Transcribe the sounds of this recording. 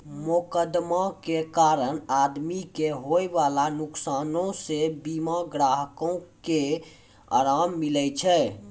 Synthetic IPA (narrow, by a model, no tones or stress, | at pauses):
mukəd̪makekaɾənad̪mikeɦojbalanuksanõsebimaɡɾaɦkõke | a̰ɾamːilɛt͡ʃʰɛ